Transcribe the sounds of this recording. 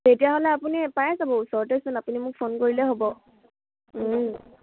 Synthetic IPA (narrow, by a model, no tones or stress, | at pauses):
tetijaɦolɛapunipajazabɔusɔɹtɛsʊnapunimʊk̚pʰonkoɹilɛɦobɔ